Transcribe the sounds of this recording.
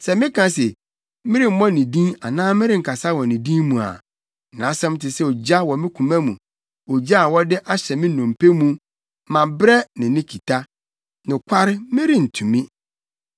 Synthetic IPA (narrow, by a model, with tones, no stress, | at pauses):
sɛ˨mɪ̃˦kʰã˨˦sɛ˨ | mɪ̃˦ɾi˦˨m̩˦mɔ̃˦nĩ˨dĩ˦a˨nãː˦mɪ̃˦ɾɪ˦ŋ̩˨kʰa˨sa˦wɔ˨nĩ˨dĩː˦mũ˨a̰˨ | nã˨˦sɛ̃˦m˦tɪ˨sɛ˦o˨d͡ʑa˦wɔ˨mɪ̃˦kʰũ˨mæ̃˦mũ˨ | o˨d͡ʑa˦a˨wɔ˦dɪ˦ʔa˦ɕɛ˨mɪ̃˦nɔ̃˨m˨pʰe˦mũ˨ | mã˨bɾɛ˦nɪ̃˨nɪ̃˦kʰi˨tʰa˦ | nɪ̃˨kʷʰa˦ɾɪ˦mɪ̃˦ɾi˦n̩˨tʰũ˨mĩ˦